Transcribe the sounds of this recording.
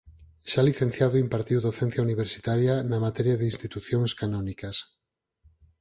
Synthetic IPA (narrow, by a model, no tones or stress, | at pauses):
ʃaliθenθjaðoimpaɾt̪iwðoθẽn̟θjauniβ̞eɾsi̥t̪aɾjanamat̪eɾjaðinst̪it̪uθjoŋskanõnikas